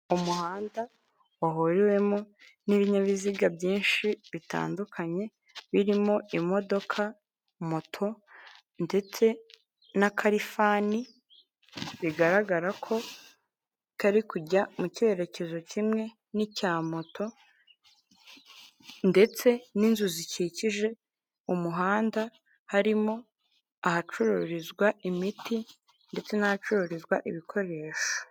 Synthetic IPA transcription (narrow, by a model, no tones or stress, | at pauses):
umuhaːnda | aɦoɾiwe̞mo | niβiɲaβiziɡabjiːnʃiβita̰ːndukʰaɲe̞ | βiɾimoʔimo̞do̞kʰa | motʰo̞ | nde̞t͡se̞ | nakʰaɾifani | βiɡaɾaɡaɾakʰo̞ | kaɾikuɟamuce̞ɾe̞ce̞zo̞cimŋe̞ | nicaːmotʰo̞ | nde̞t͡se̞ninzuziciciʒe̞ | umuɦaːnda | haɾimo̞ | ahat͡ʃuɾuɾizɡwaʔimiti | nde̞t͡se̞nahat͡ʃuɾuɾizɡwaʔiβikʰo̞ɾe̞ːʃo̥